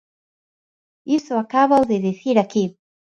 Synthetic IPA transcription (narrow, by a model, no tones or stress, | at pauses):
isɔakaβauðiðiθiɾakiβ